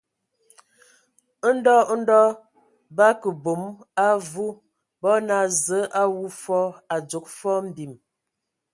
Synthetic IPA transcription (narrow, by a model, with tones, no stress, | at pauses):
n̩˦dɔ˦n̩˦dɔ˦ | ba˦kə˨bo˨˦ma˦vu˦ | bɔ˦na˦˨zə˨˦ʔa˦wu˦fɔ˦a˨d͡ʒu˨˦k̚fɔ˦m̩˦˨bi˨m